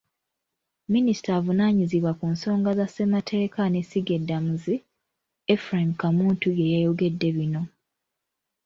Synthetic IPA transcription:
minisi̥taːvunaɲiziβwakunso̞ːŋɡazase̞matʰe̞ːkanesiɡe̞dːamuzi | efɾamkamuːntujejejo̞ɡe̞dːe̞βino̞

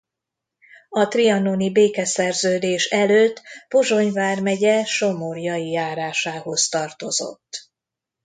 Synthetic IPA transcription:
ɒt̪riɒnonibeːkɛsɛrzøːd̪eːʃɛløːt̪ːpoʒo̞ɲvaːrmɛɟɛʃomorjɒijaːɾaːʃaːho̞st̪ɒrt̪o̞zo̰t̪ː

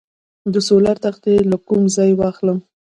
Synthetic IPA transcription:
d̪əsolaɾt̪axt̪elakumzɑjwɑxləm

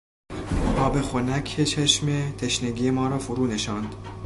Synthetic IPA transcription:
ʔɒːbe̞xonækʰet͡ʃʰeʃmet̪ʰeʃneɡʲiːjemɒːɾɒːfoɾuːneʃɒːnd̪

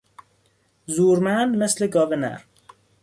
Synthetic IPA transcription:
zuːɾmænd̪mesleɡɒːbenæ̰ɾ

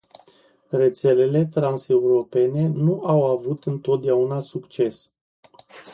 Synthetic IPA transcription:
re̞t̪se̞le̞le̞t̪ɾanse̞uɾo̞pe̞ne̞nuʔawavut̪ɨnt̪o̞t̪̚d̪eaunasukt͡ʃe̞s

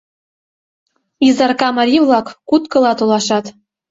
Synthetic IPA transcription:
izɑrkɑmɑɾʲivlˠɑkːut̪kɤ̆lˠɑt̪olˠɑʃɑt̪

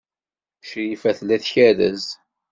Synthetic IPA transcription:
ʃɾifæθlæθçæðəz

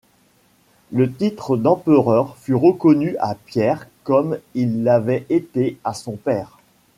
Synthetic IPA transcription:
lət̪it̪χəd̪ɑ̃pəʁœʁfyʁəkɔnyapjɛʁkɔmilːavɛet̪easɔ̃pɛːʁ

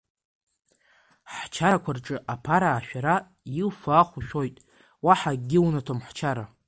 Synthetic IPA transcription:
ħt͡ʃʰaɾakʷʰarʈ͡ʂʼɨʔapʰaɾaːʃᶣaɾa | jilfaːχʷuʃᶣo̞jtʼ | waħaɡʲɪwnatʰomħt͡ʃʰaɾa

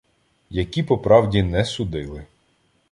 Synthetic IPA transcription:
jɐkʲipɔpɾɑwdʲinɛsʊd̪ɪlˠɪ

